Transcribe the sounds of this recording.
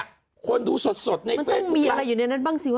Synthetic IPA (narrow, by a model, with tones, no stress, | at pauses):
kʰo˧nduː˧so˨˩t̪̚so˨˩t̪̚na˧˩m˧t̪ɔ˦˥˩ŋmiː˧ʔa˧ɾa˧jːuː˨˩na˧na˦˥˩nbaː˧ŋsiː˨˩wa